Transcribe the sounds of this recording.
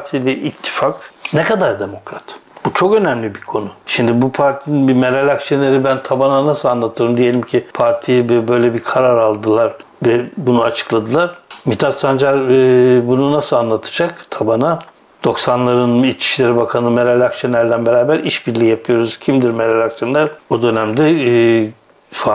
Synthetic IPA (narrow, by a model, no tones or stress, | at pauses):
t̪ʰilʲɛʔit̪ʰːi̥faknekad̪aɾd̪e̞mo̞kɾat̪b̥ut͡ʃʰo̞kø̞næmlʲibiɾkʰo̞nuʃimd̪ibupʰaɾt̪ʰininbimeɾalʲakt͡ʃenʲeɾibænt̪ʰabananasɯlˠanlˠat̪ʰɯɾɯmd̪ije̞lʲimcʰipʰaɾt̪ʰijɛbɛbø̞jlʲɛbikʰaɾaɾalˠd̪ɯlˠaɾ | vɛbunuat͡ʃʰɯ̥klˠad̪ɯlˠaɾ̥mit̪ʰat̪sand͡ʒaɾbununasɯlˠanlˠat̪ʰɯ̥d͡ʒakt̪ʰabana | d̪̥o̞ksanlˠaɾɯnit͡ʃʰi̥ʃlʲeɾibakʰanɯmeɾalʲakt͡ʃʰenʲæɾlʲænbeɾaːbæɾʔiʃbiɾlʲijapʰɯjo̞ɾuz̥cʰimd̪iɾmeɾalʲakt͡ʃenlʲæɾo̞d̪ø̞næmd̪ɛ | sa